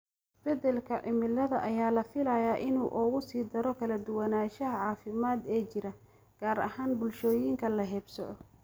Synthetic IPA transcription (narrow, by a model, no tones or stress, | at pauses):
b̥ɛd̪ɛlkʰɐʕɪmɪlːɐðɐ̰ʔɐjaːlɐfɪlɐjaːʔɪnuːʔɔːɣʊsiːd̪ɐɾɔkʰɐlɐd̪ʊwɐnaːʃɐɦɐʕɑːfɪmaːd̪ɛːt͡ʃɪɾɐ | ɡ̥aːɾɐ̰haːnbʊlʃɔːjiːŋkʰɐlɐɦɛːbsɔʕɔ